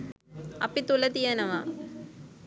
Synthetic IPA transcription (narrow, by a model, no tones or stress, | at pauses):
ɐ̰pːit̪ulɐt̪ijɐnɐʋaː